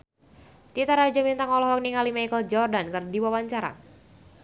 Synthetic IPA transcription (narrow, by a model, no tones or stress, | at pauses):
t̪it̪aɾad͡ʒamint̪aŋɔlɔhɦɔk̚niŋalimajkəld͡ʒɔrdankərdiwawaɲt͡ʃaɾa̰